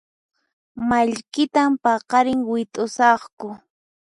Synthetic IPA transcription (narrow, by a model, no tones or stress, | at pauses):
maʎkɪt̪ampɑqɑɾɪŋwɪt̪ʼʊsɑχkʊ